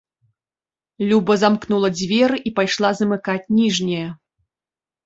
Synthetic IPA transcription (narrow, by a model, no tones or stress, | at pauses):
lʲubɐzamknulˠɐd͡zʲvʲɛɾɨʔipajʂlˠazɐmɨkat͡sʲnʲiʐnʲɐjɐ